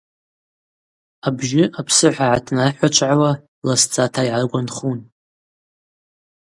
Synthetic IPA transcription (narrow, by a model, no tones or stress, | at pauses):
abʒɪapʰsɨħʷaʕatʰnaħʷat͡ʃʷʰʼʕawa | last͡sʼatʰaiʕarɡʷanχun